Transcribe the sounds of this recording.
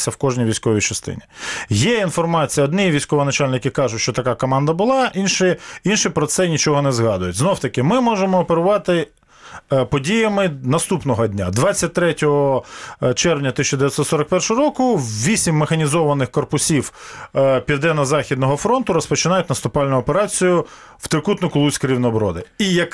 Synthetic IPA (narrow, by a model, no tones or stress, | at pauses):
sʲɐwkɔʒnʲijʋʲijsʲkɔʋʲijt͡ʃɐst̪ɪ̰nʲijɛinfɔrmɑt͡sʲijɐɔd̪nɪiʋʲijsʲkɔʋɔnɐt͡ʃɑlʲnɪkɪkɑʒʊtʲʃt͡ʃɔt̪ɐkɑkɔmɑnd̪ɐbʊlˠɑinʃɪinʃɪpɾɔt̪sɛnʲit͡ʃɔɦɔnɛzɦɑd̪ʊjʊtʲznɔwt̪ɐkɪmɪmɔʒemɔːpeɾʊʋɑt̪ɪ | pɔdʲijɐmɪnɐst̪upnɔɦɔd̪ʲnʲa̰d̪ʋɑt͡sʲːɐt̚ʲt̪ɾɛtʲɔɦɔt͡ʃɛrʋnʲɐt̪ɪsʲt͡ʃɐd̪eʋʲjɐt̪ʲsɔt̪sɔɾɐk̚pɛrʃɔɦɔɾɔkʊwʋʲisʲimʲːexɐnʲizɔʋɐnɪxkɔrpʊsʲiw | pʲid̪ɛnɐzɑxʲid̪nɔɦɔfɾɔnt̪ʊɾɔspɔt͡ʃɪnɑjʊtʲnɐst̪ʊpɑlʲnʊɔpeɾɑt͡sʲijʊ | w̥t̪ɾɪkut̪nʊkʊlˠusʲkʊɾʲiwnɔbɾɔ̰d̪ɪijɐk